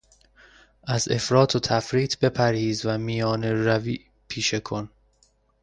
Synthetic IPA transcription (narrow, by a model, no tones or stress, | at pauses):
ʔæze̞̰fɾɒːt̪ʰot̪ʰæfɾiːt̪ʰbe̞pʰæɾhiːzvæmijɒːneɾæviː | pʰiːʃe̞kʰo̞n